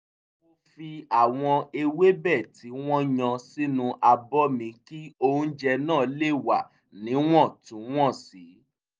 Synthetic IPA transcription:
o˦fi˧a˦˨w̃ɔ̃˧e˧we˦bɛ˦˨ti˨˦w̃ɔ̃˦ɲã˧si˦nũ˧ʔa˧bɔ˦mĩ˧ki˦o˧ũ˦d͡ʒɛ˧nãː˦˨˦le˦˨wa˨ | nĩ˨˦w̃ɔ̃˦˨tũ˨˦w̃ɔ̃˦˨si˨˦

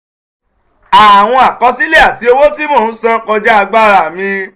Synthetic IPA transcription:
a˨w̃ɔ̃˧a˨kɔ˧si˦le˦a˦˨ti˧˦o˧wo˦ti˦mɔ̃ː˦˨˦sã˦kɔ˧d͡ʒɛ˦a˧ɡ͡ba˦ɾa˦˨mĩ˧

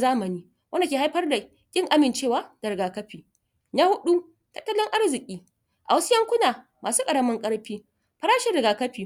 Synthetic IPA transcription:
zaː˦mɐ˨niː˦ | wʔɐ˦nda˨kʲeː˨ha˦jɸɐ˦rda˨ | kʲʼɪ˦ŋʔa˦mɪ˨nt͡ʃeː˦˨waː˨˦d̥ɐ˨ɾɪ˨ɡaː˨kɐ˦ɸiː˨ | na˦hʊ˦ɗu˦ | tɐ˦tːɐ˦lʊ˦ŋʔa˦rzɪ˨kʲʼiː˦ | ʔa̰˨wɐ˦su˦jɐ˦ŋkʷʊ˦naː˨ | maː˨suː˦kʼɐ˨ɽɐ˦mɐ˦ŋkʼɐ˦ɽɸiː˦ | ɸɐ˦ɾaː˦ʃɪ˨ɾɪ˨ɡaː˨kɐ˦ɸiː˨

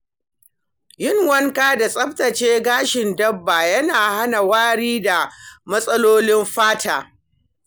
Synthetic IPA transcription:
jɪ˦ŋwɐ˦ŋkaː˦da˨sʼɐ˦ɸtɐ˨t͡ʃeː˦ɡaː˦ʃɪ˨ndɐ˦bːa˨jɐ˦naː˨ha˦na˨waː˦ɽiː˦da˨mɐ˦sʼɐ˦loː˦nɪ˦mɸaː˦tʰaː˨

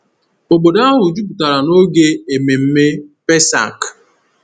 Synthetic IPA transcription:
o˨ɡ͡bo˨da˦ɦʊ˨d͡ʒu˦pu˨ta˨ɾa˨no˦ɡe˦e˨me˨m̩˦me˦pe˦sa̰˨k

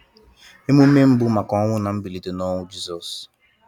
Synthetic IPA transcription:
e˦mu˦me˦m̩˦bʊ˦ma˨kɔ˦ŋʷʊ˦na˨m̩˦bi˨li˨do˨nɔ˦ŋʷʊ˦d͡ʒi˦zɔ˨s

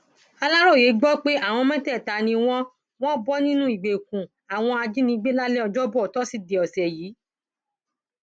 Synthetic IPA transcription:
a˧la˦ɾo˦˨je˨˦ɡ͡bɔ˦k͡pe˦a˦˨w̃ɔ̃˧mɛ̃˦tɛ˦˨ta˨˦nĩ˧w̃ɔ̃˦ | w̃ɔ̃˦bɔ˦nĩ˦nũ˦i˦˨ɡ͡be˨kũ˨ | a˨w̃ɔ̃˧a˧d͡ʒi˦nĩ˧˦ɡ͡be˦la˦lɛ˦ɔ˧d͡ʒɔ˦bɔ˦ɔ˨tɔ˦si˦de˨ɔ˨sɛ˨jiː˨˦

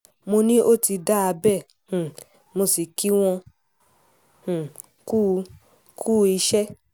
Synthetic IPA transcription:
mo˧nĩ˦ʔo˦˨ti˧da˦a˧bɛ˦˨ | h̩˨ | mo˧si˨ki˦w̃ɔ̃˧ | hũ˨ | ku˦˧ | kʰu˦˧i˧ʃɛ˦

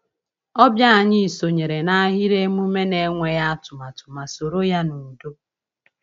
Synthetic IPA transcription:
ɔ˦bja˦a˨ɲɪ˦˨so˨ɲe˨ɾe˨na˦a˦ɦi˦ɾe˦mu˦me˦ne˨˦ŋʷe˨ja˦tʊ˨ma˨tʊ̥˨ma˨so˨ɾo˦ja˦nu˨do˦

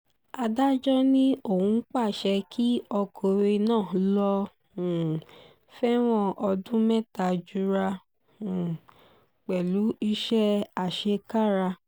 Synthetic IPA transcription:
a˧da˦d͡ʒɔ˦nĩ˦o˦˨hũ˧˦k͡pa˦˨ʃɛ˧kʰi˦ɔ˧kʰo˨we˧nãː˦˨˦lɔ̃˧˨ | fɛ˦w̃ɔ̃˦ʔɔ˧dũ˦mɛ˦ta˨d͡ʒu˧ɾa˧˨ | k͡pɛ˨lu˨˦i˧ʃɛ˦a˦˨ʃe˧ka˦˨ɾa˧

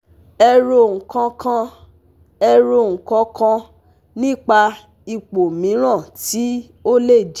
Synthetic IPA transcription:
ɛ˧ɾo˧˨ŋ̩˨kã˧kã˧ | ɛ˧ɾo˧˨ŋ̩˨kɔ̃˧kã˧ | nĩ˦k͡pa˧ | i˧k͡po˨mĩ˨˦ɾ̃ã˦˨ti˨˦ | o˦le˦˨d͡ʒ

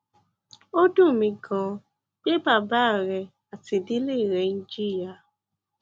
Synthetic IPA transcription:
o˦dũ˦˨mĩ˧ɡã˧ | ɡ͡be˦ba˦˨ba˨˦˨ɾɛ˧ | a˨ti˧di˦le˦˨ɾɛ˨˦nĩ˧˦d͡ʒi˦ɾi˦a˧˨

